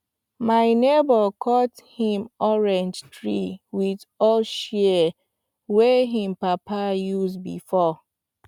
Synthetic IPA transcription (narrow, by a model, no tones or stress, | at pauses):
maɪnebɔkʰɔthĩmɔɹɛ̃nd͡ʒtɹḭwið | ɔlʃɛ | weɦĩm̩papajuzbḭfɔ